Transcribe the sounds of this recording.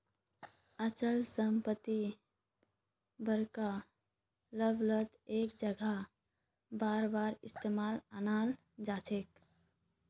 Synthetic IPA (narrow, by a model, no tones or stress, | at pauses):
ət͡ʃəlsəmpət̪i | bəɾka | ləblət̪eːkd͡ʒəɡʱa | baːɾbaːɾɪst̪eːmaːlanaːl | d͡ʒaːt͡ʃʰeːk